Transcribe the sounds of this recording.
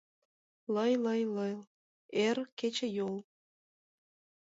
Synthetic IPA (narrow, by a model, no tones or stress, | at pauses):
ləjləjlɤjl | erket͡ɕĕjol